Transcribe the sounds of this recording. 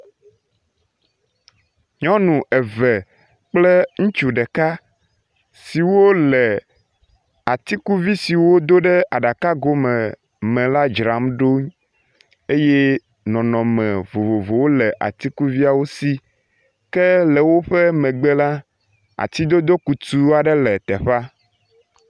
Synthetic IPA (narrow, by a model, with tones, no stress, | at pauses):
ɲɔ̃˦nũ˨ʔɛ˨vɛ˨ | k͡plɛ˦ŋũ˦t͡ʃu˨ɖɛ˨ka˦ | si˨wo˦lɛ˨ | a˨t̪i˦ku˦vi˦si˨wo˦d̪o˦ɖɛ˦a˨ɖa˨ka˦ɡo˦mɛ˨ | mɛ̃˨la˦d͡ʒɾa˨˦mɖo˦ɲ | e˦je˦ | nɔ̃˨nɔ̃˨mɛ̃˨vo˨vo˨vo˨wo˦lɛ˨ʔa̰˨t̪i˦ku˦vi˦a˨wo˦si˦ | kɛ˦lɛ˨wo˦ɸɛ˦mɛ̃˨ɡ͡bɛ˦la˦ | a̰˨t̪i˦d̪o˦d̪o˦ku˨t̪u˦a˨ɖɛ˦lɛ˨t̪ɛ˨ɸa˦